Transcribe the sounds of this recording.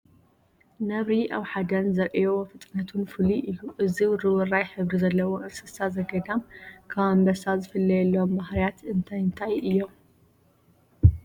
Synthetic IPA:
nɐβɾiʔaβħad̪ɐnzɐɾʔijofɨt̪ʼnɐt̪ʰunfɨliʔɨjːuʔɨziɾɨwɨrajħɨβɾizɐlːɐwoʔɨnsɨsazɐɡɐd̪amkʰaβambɐsazɨfɨlːɐjɛlːombahɾijat̪ɨnt̪ʰajɨnt̪ʰajɨjːom

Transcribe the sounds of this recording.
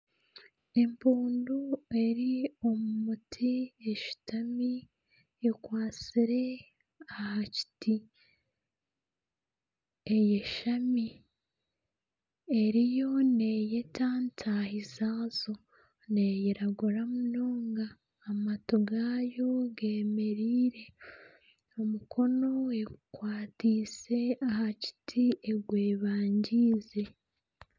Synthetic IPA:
e̞mpuːndue̞ɾiomuumutʰieʃi̥tʰamiː | kwaːt͡siɾe̞ | ahaci̥ti | ejeʃami | e̞ɾijo̞ne̞jetʰaːntʰahizaːzo̞ | nejeɾaɡuɾamunoːŋɡaː | matoɡaːjo̞ɡe̞ːme̞ɾiːɾe̞ | omukʰo̞no̞ekwaːtiːse̞ahaci̥tʰie̞ɡweːβaːɲɟiːze̞

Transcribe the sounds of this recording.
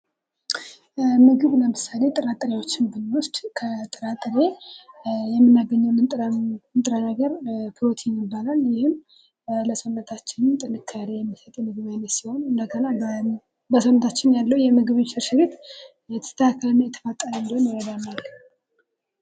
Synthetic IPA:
mɨɡɨβləmɨsːale̞t̪ʼɨɾat̪ʼɾewo̞t͡ʃːɪnbɨnwʊst̪ʼkʰət̪ʼɨɾat̪ʼɨɾe̞ | jɛmːɨnːaɡəɲːəwnɨt̪ʼnt̪ʼɾənəɡəɾkʰɨlot̪ʰɛmːɪbːalaljɪhɪm | ləsəwnːət̪ʰat͡ʃːɪnɨnt̪ʼɨnɨkʰːəɾejɛmːisət̪ʼjɛmɨɡɨβalːɛsiho̞nɨnd̪əɡəna | bəsəwnət̪ʰat͡ʃːɪnjalːəwujɛmɨɡɨβʃɛɾʃɪβet̪ | jɛt̪ʰə̥t̪ʰəakʰːəlɨnːajɛt̪ʰə̥fət̪ʼːəɾəɨnd̪əhwonjɪɾəd̪analːə

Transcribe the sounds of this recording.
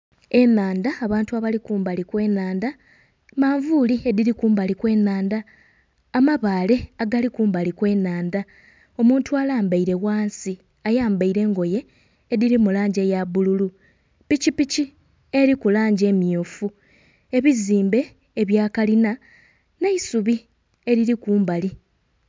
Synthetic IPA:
e̞naːndaːβaːntuaβalikuːmbalikwe̞ːnaːnda | maːɱvuliediɾikuːmbalikwe̞ːnaːndaː | maβaːle̞aɡalikuːmbalikwe̞ːnaːnda | o̞muːntualaːmbaiɾe̞waːnsi | ajaːmbaiɾe̞ːŋɡo̞je̞ː | diɾimulaːɲɟe̞jaβululu | picipici | e̞ɾikulaːɲɟe̞ːmjofu | e̞βiziːmbe̞ː | βjaːkalina | ne̞isuβi | e̞ɾiɾikuːmbali

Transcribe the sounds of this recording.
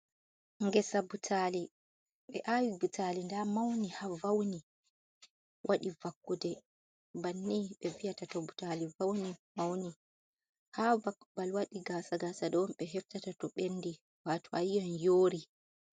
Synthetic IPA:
ŋɡɛsabutʰali | ɓɛ̰ʔawibutalindamawnihavawni | wʔaɗivakːudɛ | banːiɓɛvijatatɔbutalivawnimawni | havakːubalwaɗiɡasaɡasaɗɔnɓɛɦɛftatatɔɓenːdi | waːtɔajjanjoːɾi

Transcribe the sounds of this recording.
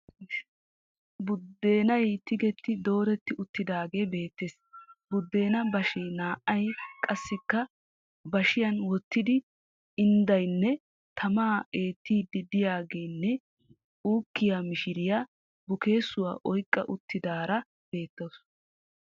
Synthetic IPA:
bʊd̪ːe̞ːnɐjt̪ɪɡɛt̪ːɪd̪o̞ːɾɛt̪ːɪʊt̪ːɪd̪aːɡe̞ːbe̞ːt̪ːeːs | bʊd̪ːe̞ːnɐbɐʃɛjnaːʔɐjkʼɐsːɪkːɐ | bɐʃɪjɐnwɔt̪ːɪd̪ɪ | ɪnd̪ɐjnːɛ | t̪ʰɐmaːeːt̪ːiːd̪ːɪd̪ɪjaːɡe̞ːnːɛ | uːkːɪjamɪʃɪɾɪja | bʊke̞ːsʊwa̰ːʔɔjkʼːɐ̰ʔʊt̪ːɪd̪aːɾɐ | b̥e̞ːt̪ːɐws

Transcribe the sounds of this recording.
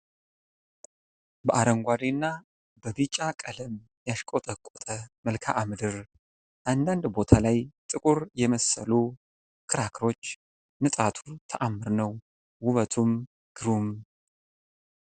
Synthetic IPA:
bəʔaɾəŋɡʷad̪enːa | bəbit͡ʃʼːakʼələm | jaʃkʼot̪ʼəkʼot̪ʼəməlkʰa̰ʔːmɨd̪ɨɾ | ʔand̪and̪bo̞t̪ʰalajt̪ʼɨkʼuɾjɛməsəlu | kʰɨɾakʰɾo̞t͡ʃː | nɨt̪ʼat̪ʰut̪ʰəʔamːɨɾnəw | huβət̪ʰum | ɡ̥ɨɾum

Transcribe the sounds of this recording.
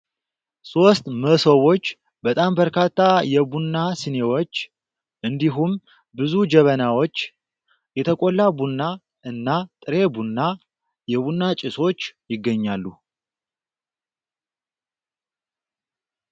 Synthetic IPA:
so̞st̪məsowo̞t͡ʃː | bət̪ʼambəɾkʰat̪ʰːajɛbunːasɨne̞wo̞t͡ʃː | ʔɨnd̪iɦum | bɨzud͡ʒɛβənawot͡ʃː | jɛt̪ʰəkʼolːabunːa | ɨnːat̪ʼɨɾe̞bunːa | jɛβunːat͡ʃʼɪso̞t͡ʃːjɪɡːəɲːalːu

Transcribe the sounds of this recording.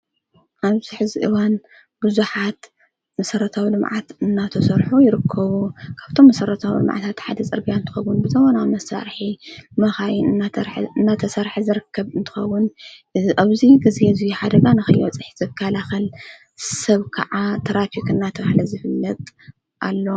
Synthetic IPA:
ʔaβz̥iħɨziʔɨwan | bɨzuħat̪ | mɐsɐɾɐt̪ʰawilɨmʕa̰t̪ɨnːat̪ʰɐsɐɾħujɪɾɨkʰːɐβukʰaβt̪ʰo̞mːɐsɐɾɐt̪ʰawḭlɨ̰mʕa̰t̪ʰat̪ħad̪ɐt͡sʼɨɾbijaɨnt̪ʰɨxɐwːʊnbɨzɐmonamɐsa̰ɾħimɐxajɪnɨnːaɾħɨnːat̪ʰɐsɐɾħizɨɾɨkʰːɐβɨnt̪ʰɨ̥xɐwːʊnʔaβziɡɨzezijħad̪ɐɡanɨxɐjɐt͡sʼɨħizɨkʰːalaxɐl | sɐβkʰɐ̰ʕat̪ʰɐɾafikɨnːat̪ʰɐβahlɐzɨfɨlːɐt̪ʼ | ʔalːo̞

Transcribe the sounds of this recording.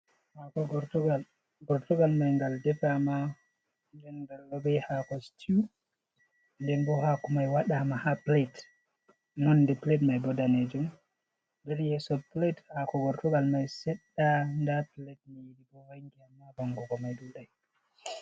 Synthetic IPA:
hakɔɡɔɾtuɡal | ɡɔɾtuɡalmajŋɡaldɛpama | ndɛnɡalːɔbɛjhakɔstʰiu | ndɛnbɔhakumajwaɗamahaplet | nɔndɛpletmajbɔdaned͡ʒum | ndɛɾjɛsɔplethakɔɡɔɾtɔɡalmajsɛɗːandaplet̚mijiɗibɔwaŋɡɛamːabɔŋɡɔɡɔmajɗuɗaj

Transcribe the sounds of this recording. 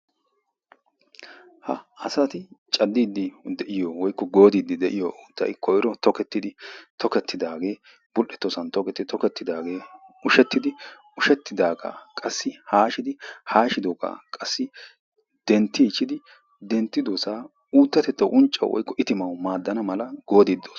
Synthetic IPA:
hɐ̰ɐsɐt̪ɪt͡ʃʼɐd̪ːiːd̪ːɪd̪ɛʔɪjɔwɔjkːɔɡoːd̪iːd̪ːɪd̪ɛʔɪjɔʔuːt̪ːɐ̰jɪkʰːɔjɪɾɔt̪ɔkɛt̪ːɪd̪ɪt̪ʰɔkɛt̪ːɪd̪aːɡe̞ː | b̥ʊlʔɛt̪ːɔsɐnt̪ɔkɛt̪ːɪt̪ɔkɛt̪ːɪd̪aːɡe̞ːʊʃɛt̪ːɪd̪ɪ | ʊʃɛt̪ːɪd̪aːɡa̰ːkʼɐsːɪhaːʃɪd̪ɪhaːʃɪd̪oːɡa̰kʼɐsːɪ | d̪̥ɛnt̪ːiːt͡ʃːɪd̪ɪ | d̪ɛnt̪ːɪd̪oːsaː | uːt̪ːɐt̪ɛt̪ːɐwʔʊnt͡ʃʼːɐ̰w̰wɔ̰jkːɔʔɪt̪ɪmɐwmaːd̪ːɐnɐmɐlɐɡ̥o̞ːd̪id̪ːoːs

